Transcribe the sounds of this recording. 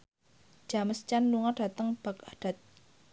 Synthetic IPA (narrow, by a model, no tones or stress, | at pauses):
d͡ʒ̥aməst͡ʃanluŋaɖ̥a̤t̪əŋb̥akaɖ̥a̤t̪̚